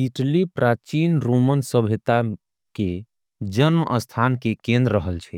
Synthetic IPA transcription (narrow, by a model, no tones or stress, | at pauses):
iʈlipɾʔat͡ʃinɾomənsəbʱit̪a | ke | d͡ʒənməʔəst̪ʰankekẽnd̪ɾːəɦəlt͡ʃʰɛ